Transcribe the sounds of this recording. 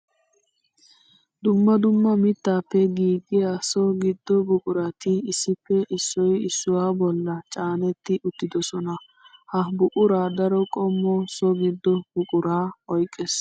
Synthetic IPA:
d̪ʊmːɐd̪ʊmːɐmɪt̪ːaːpːɛɡiːɡɪjasɔɡɪd̪ːɔbʊkʼʊɾɐt̪ɪɪsːɪpːɛʔɪsːɔjɪsːʊwaːbɔlːɐt͡ʃʼaːnɛt̪ːɪʔʊt̪ːɪd̪ɔsɔnɐ | hɐbʊkʼʊɾaːd̪ɐɾɔkʼɔmːɔsɔɡɪd̪ːɔbʊkʼʊɾaːɔjkʼːes

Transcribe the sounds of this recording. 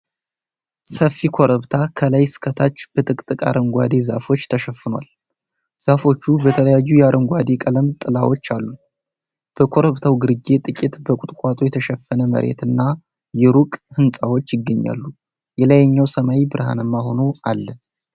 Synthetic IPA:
səfːikʰo̞ɾəβt̪ʰakʰələjsɨ̥kʰət̪ʰat͡ʃːb̥ət̪ʼɨkʼt̪ʼɨkʼa̰ɾɨŋɡʷa̰d̪e̞za̰fo̞t͡ʃːt̪ʰəʃɛfːɨnwa̰l | z̥afo̞t͡ʃːubət̪ʰələjajːujɛaɾɨŋɡʷad̪e̞kʼələmt̪ʼɨlawo̞t͡ʃːalːu | b̥əkʰo̞ɾəβt̪ʰawɡɨɾɨɡe̞t̪ʼɨkʼit̪bəkʼut̪ʼkʼat̪ʼojɛt̪ʰəʃɛfːənəmə̰ɾʔe̞̰t̪ɨnːa | jɛɾukʼhɨnsʼawo̞t͡ʃːjɪɡːəɲːa̰lːu | jɛlajɛɲːawsəmajibɨɾha̰nəmːaho̞nualːə

